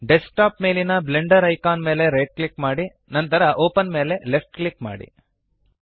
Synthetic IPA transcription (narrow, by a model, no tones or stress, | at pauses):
ɖesʈaːpme̞ːlinɐbleɳɖɐɾɐjkaːnme̞ːle̞ɾeːʈ̚klikmaːɽi | nɐnt̪ɐɾɐʔoːpɐnme̞ːle̞lepʰʈklikma̰ːɽḭ